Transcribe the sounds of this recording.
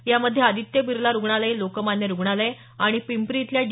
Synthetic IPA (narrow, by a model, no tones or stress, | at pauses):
jaməd̪ʱːjead̪ʱit̪jəbiɾlaɾuɡɳalelokəmanjəɾuɡɳale | aɽ̃ipimpɾit̪ljad͡ʑ